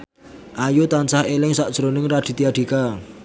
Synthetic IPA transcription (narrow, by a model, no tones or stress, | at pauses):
ʔajut̪ant͡ʃahelɪŋsaʔd̥ʒ̥ɾonɪŋraɖ̥i̤t̪iaɖ̥i̤ka